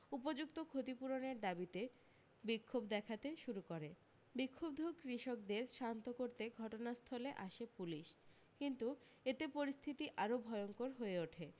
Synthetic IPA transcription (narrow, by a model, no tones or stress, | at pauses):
upod͡ʑuk̚t̪okʰot̪ipuɾoneɾd̪abit̪e | bikʰːobd̪ɛkʰat̪eʃuɾukoɾe | bikʰːob̚d̪ʱukɾiʃok̚d̪eɾʃant̪okoɾt̪eɡʱɔʈonast̪ʰɔleʔaʃepuliʃ | kint̪u | et̪epoɾist̪ʰit̪iʔaɾobʱɔeoŋkoɾɦoeoʈʰe